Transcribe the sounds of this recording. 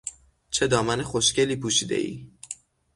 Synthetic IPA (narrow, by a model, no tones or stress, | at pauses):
t͡ʃʰe̞d̪ɒːmænexoʃce̞liːpʰuːʃiːd̪e̞̰ʔḭː